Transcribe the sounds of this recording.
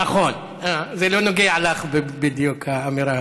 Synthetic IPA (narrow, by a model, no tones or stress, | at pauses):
naχo̞n | azelo̞noɡeaʕalaχbebid̪jukʰaːmiɾa